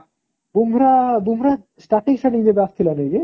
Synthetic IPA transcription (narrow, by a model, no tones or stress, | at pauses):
bumɾabumɾa | sʈaʈiksaʈiŋd̪ebast̪ʰilaneɡi